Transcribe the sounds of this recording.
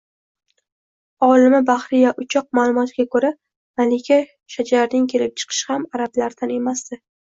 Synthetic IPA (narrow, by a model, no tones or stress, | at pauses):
ɒlˠɪmɪbaχɾɪjaʔʊt͡ʃʰɒq̚maːlˠʊmɒt̪ɡʲakʰɵɾa | malɪkʲʰa | ʃad͡ʒaɾnɪŋkʲʰe̞lɪp̚t͡ʃʰɨ̥qʰɨ̥ʃhamaɾablaɾd̪ane̞masd̪̥ɪ